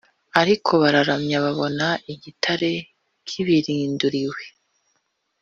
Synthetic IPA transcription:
aɾikʰo̞βaɾaɾamɲaβaβo̞naʔiɟitʰaɾe̞ | kʰiβiɾiːnduɾiwe̞

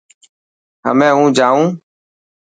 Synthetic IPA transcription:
ɦə̰mẽːɦũːd͡ʒaːũː

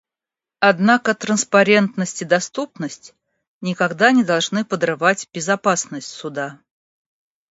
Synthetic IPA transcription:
ɐd̪nakət̪ɾənspɐɾʲe̞nt̪nəsʲtʲɪd̪ɐst̪upnəsʲtʲ | nʲɪkɐɡd̪anʲɪd̪ɐlˠʐnɨpəd̪rɨvatʲbʲɪzɐpasnəsʲtʲsʊd̪a

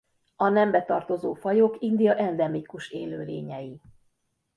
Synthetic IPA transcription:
ɒnɛmbɛt̪ɒrt̪o̞zoːfɒjo̞kind̪ijɒʔɛnd̪ɛmikuʃeːløːlḛːɲɛji

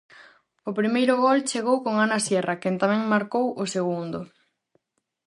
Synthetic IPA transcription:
ʊpɾimejɾʊɣɔlt͡ʃeɣ̞owkoŋanasjɛrɐkent̪amɛ̃ŋmaɾkowʔʊseɣund̪ʊ

